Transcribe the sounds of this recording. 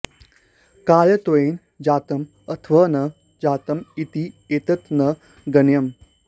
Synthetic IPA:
kaːjɐt̪oeːn | d͡ʑaːt̪ɐm | ɐt̪ʰʋɐnɐ | d͡ʑaːt̪ɐmit̪ieːt̪ɐt̪nɐ | ɡɐnjɐm

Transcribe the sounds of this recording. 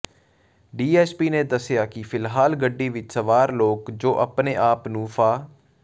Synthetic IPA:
ɖiːɛːspiːnẽːd̪əsjaːkɪpʰɪlɦaːlɡəɖːiːʋɪt͡ʃsəʋaːɾloːkd͡ʒoːʔəpneːʔaːpnũːfʰaː

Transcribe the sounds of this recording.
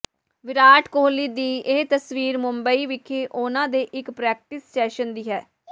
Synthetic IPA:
ʋɪɾaːʈkoːliːd̪iːeːt̪əsʋiːɾmʊmbəiːʋɪkʰeːʔʊnãːd̪eːʔɪkpɾɛːk̚ʈɪsʈɛːʃənd̪iːɦɛː

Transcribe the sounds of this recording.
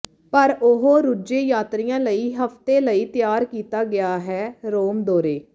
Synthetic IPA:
pəɾʊɦoːɾud͡ʒeːjaːt̪ɾɪjãːləiːɦəpʰt̪eːləiːt̪ɪjaːɾkiːt̪aːɡɪjaːɦɛːɾoːmd̪oːɾeː

